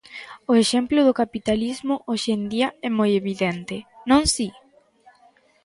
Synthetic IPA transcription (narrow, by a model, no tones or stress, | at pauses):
ʊeʃɛmplʊðʊkapit̪alizmʊʔoʃend̪iɐɛmojeβiðɛnt̪ɪnõŋsi